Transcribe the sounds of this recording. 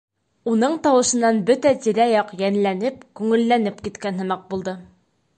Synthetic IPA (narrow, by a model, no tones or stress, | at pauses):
unɤɴt̪ɑwɤ̆ʃɤ̆nːɑnbɵt̪æt̪iɾæjɒqjænlænɘp̚kʉŋɘ̆lːænɘpkit̪kænɦɤ̆mɑq̚bulˠd̪ɤ